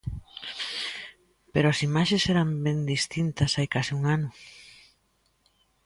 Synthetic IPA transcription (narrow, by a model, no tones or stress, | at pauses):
peɾoɐsimaʃesɛɾɐmbend̪ist̪int̪ɐsajkasiuŋanʊ